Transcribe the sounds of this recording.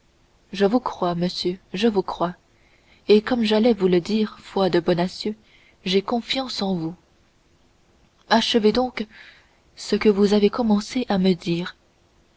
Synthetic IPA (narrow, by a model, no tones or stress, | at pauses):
ʒəvukχwaməsjøʒəvukχwa | ekɔmʒalɛvuləd̪iːʁfwad̪əbɔnasjø | ʒekɔ̃fjɑ̃sɑ̃vu | aʃəved̪ɔ̃k | səkəvuzavekɔmɑ̃seʔaməd̪iːʁ